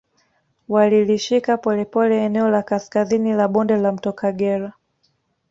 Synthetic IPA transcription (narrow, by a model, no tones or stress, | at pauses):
waliliʃikapɔlɛpɔlɛːnɛɔlakaskazinilaɓɔndɛlam̩tɔkaɡɛɾa